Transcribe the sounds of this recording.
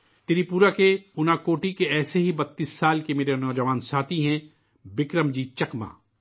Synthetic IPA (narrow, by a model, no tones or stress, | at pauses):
t̪eːɾipuːɾakeʊnakoːʈikeɛːseɦibɐt̪ːiːsːaːlkemeːɾenɔːd͡ʒɐʋaːnsaːt̪ʰiɦɛ̃ | bɪkɾəmd͡ʒiːt͡ʃɐkma̰ː